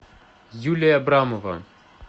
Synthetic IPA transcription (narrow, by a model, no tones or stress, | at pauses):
julʲijɐbɾamɔvɐ̰